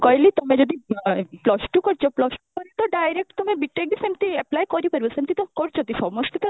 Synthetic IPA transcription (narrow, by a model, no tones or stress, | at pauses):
kɔjlit̪omed͡ʑod̪iplɔsʈukoɾt͡ɕʰoplɔʃʈukoɾet̪ɔɖajɾek̚ʈt̪omebiʈːek̚d̪isemt̪iɛplajkoɾipoɾbosemt̪it̪ɔkoɾt͡ɕʰot̪iʃɔmoʃt̪it̪a